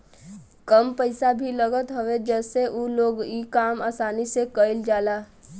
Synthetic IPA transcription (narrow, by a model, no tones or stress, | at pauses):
kəmpəɪsabʱiləɡət̪ɦowed͡ʒɛːseʔuloːɡikaːmaːsaːnisekəɪld͡ʒaːlaː